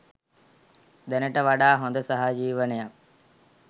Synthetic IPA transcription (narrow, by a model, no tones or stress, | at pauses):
d̪ɐnɐʈɐʋaɖaːɦõnd̪əsɐɦad͡ʒiːʋənejak̚